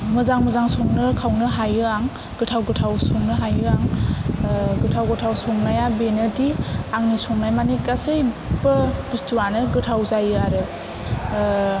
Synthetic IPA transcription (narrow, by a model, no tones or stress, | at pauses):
mɯzaŋmɯzaŋsoŋnɯkʰawnɯɦajɯaŋ | ɡ̥ɯtʰawɡɯtʰawsɔŋnɯɦajɯaŋ | ɡɯtʰawɡɯtʰawsɔŋnajabenɯdiaŋnisɔŋnajmanikasejbɯb̥ustuwanɯɡɯtʰawzajɯaɾɯ